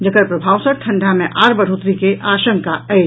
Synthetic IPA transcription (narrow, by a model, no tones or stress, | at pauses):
d͡ʒɐkəɾpɾɐbʱaːwsək̚ʈʰɐ̃ɳɖʱamẽʔaːɾbɐɽɦoːt̪ɾikeʔaːʃə̃ŋkaɛ